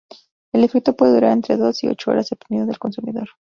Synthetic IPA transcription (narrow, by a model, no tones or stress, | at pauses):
elefe̞k̚t̪o̞pwe̞ðe̞uɾaɾe̞nt̪ɾe̞ðo̞sio̞̰t͡ʃoo̞̰ɾasep̚t̪imeðoðelko̞nsumiðo̞̰ɾ